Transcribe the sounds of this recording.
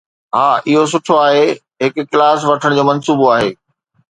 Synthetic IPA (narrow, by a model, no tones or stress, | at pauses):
ɦaːʔɪɦos̬ʊʈʰoaːɦeː | ɦɪkʊkːlaːs̬ʋɐʈʰəɽ̃d͡ʑoːmɐnsuːboaːɦeː